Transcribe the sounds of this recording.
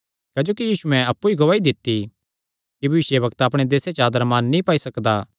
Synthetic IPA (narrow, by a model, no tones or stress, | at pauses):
kɛːd͡ʒoːkijiːsuɛ̃ɐpːuiɡɐʋaːid̪ɪt̪ːi | kibʱɐʋɪsjebɐkt̪apɽ̃ed̪eːset͡ʃaːd̪əɾmaːnːĩpaːisɐkd̪a